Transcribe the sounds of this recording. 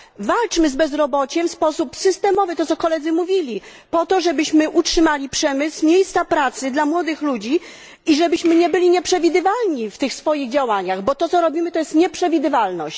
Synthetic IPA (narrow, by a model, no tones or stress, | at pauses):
valt͡ʂmɘzbɛzɾɔbɔt͡ɕɛmfspɔsupsɘst̪ɛmɔvɘt̪ɔt̪sɔkɔlɛd̪zɘmuvʲilʲipɔt̪ɔʐɛbɘɕmɘʔutʂɘmalʲipʂɛmɘswmʲjejst̪sapɾat̪sɘd̪lamwɔd̪ɘxlud͡ʑi | iʐɛbɘɕmɘɲɛbɘlʲiɲɛpʂɛvʲid̪ɘvalɲift̪ɘxsfɔjiɣd͡ʑawaɲaɣbɔt̪ɔt̪sɔɾɔbʲimɘt̪ɔjɛst̪ɲɛpʂɛvʲid̪ɘvalnɔ̰ɕt͡ɕ